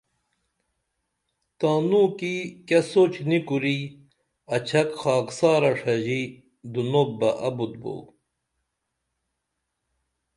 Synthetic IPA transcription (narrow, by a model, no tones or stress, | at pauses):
t̪aːnuːkikɐsoːt͡ɕnikuɾi | ɐt͡ɕʰɐkxaːksaːɾɐʂɐʑi | d̪unoːbbɐʔɐbud̪̚bo̰w